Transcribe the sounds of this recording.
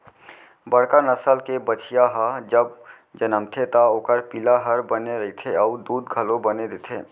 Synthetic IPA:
bəɽkanəsəlkebət͡ʃʰijaɦəd͡ʒəb | d͡ʒənəmt̪ʰet̪aoːkəɾpilaɦəɾbəneɾəɦit̪ʰeaud̪uːd̪ɡʱəlobəned̪et̪ʰe

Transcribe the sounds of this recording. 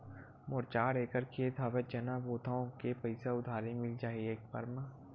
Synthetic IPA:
mʊɾt͡ʃaːɽeːkəɾkʰiet̪ʰaːʋed͡ʒɐnaboːt̪ʰaõkepɐɪsaʊd̪ʱaːɾimɪld͡ʒaːɦieːk̚pɐ̰ɾma

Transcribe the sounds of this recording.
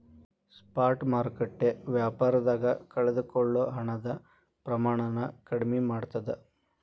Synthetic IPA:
spaːɾʈmaːɾkeʈːeʋjaːpaːɾɐd̪aːɡɐkɐɭed̪ukɔɭːoɦɐɳɐd̪ɐ | pɾɐmaːɳɐnɐkɐɽimimaːɽt̪ɐd̪e

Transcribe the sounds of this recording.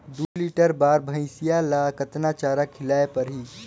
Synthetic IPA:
d̪uliʈəɾbaːɾbʱə̃ɪ̃sijalakət̪nat͡ʃaːɾakʰɪlaːepəɾɦiː

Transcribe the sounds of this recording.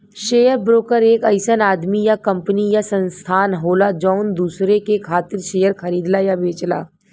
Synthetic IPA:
ʃeːjəɾbɾoːkəɾeːkɐɪsənaːd̪mijakɐ̃mpənijasɐ̃nst̪ʰaːnɦoːlad͡ʒɔːʊnd̪uːsɾekekʰaːt̪ɪɾʃeːjəɾxʰɐɾiːd̪lajabeːt͡ʃla̰ː

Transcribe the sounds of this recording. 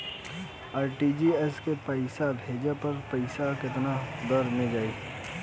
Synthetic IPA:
aːɾʈid͡ʒiɛskepɐɪsabʱɦeːd͡ʒapɐɾpɐɪsakɪt̪nad̪əɾmẽd͡ʒaːiː

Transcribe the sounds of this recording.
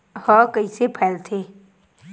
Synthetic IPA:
hɔkəisepʰɛːlt̪ʰeː

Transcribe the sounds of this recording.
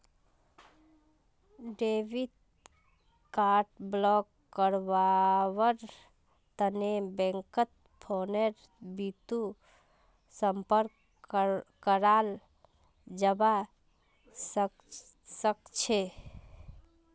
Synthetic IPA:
ɖeʋid̪ | kaɾʈblɔkː | əɾʋawəɾ | t̪ənebɛ̃ŋkət̪̚ | pʰoneɾ | bit̪u | səmpəɾk | kəɾal | d͡ʒəba | s | səkt͡ʃʰe

